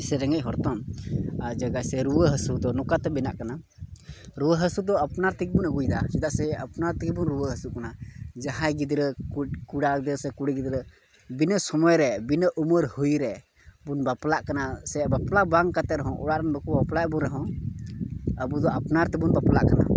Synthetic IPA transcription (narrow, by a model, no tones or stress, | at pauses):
sɛɾɛŋɛc̚ˀɦɔɾt̪ɔmad͡ʒaɡajsɛɾuwəɦəsud̪ɔnɔkat̪ɛbɛnaʔkana | ɾuwəɦəsud̪ɔapnaɾt̪ik̚bunəɡujd̪asid̪aʔsɛapnaɾt̪ik̚bunɾuwəɦəsuʔkanad͡ʒaɦãjɡid̪ɾəkkuɽad̪əsɛkuɽɛɡid̪ɾə | binəsɔmɔjɾɛbinəʔuməɾhujɾɛ | bunbaplaʔkanasɛabaplabaŋkat̪ɛɾɛɦɔ̃ʔɔ̰ɽaʔɾanbəkubaplaʔbɔɾɛɦɔ̃ | əbud̪ɔʔapnaɾt̪ɛbunbaplaʔkana̰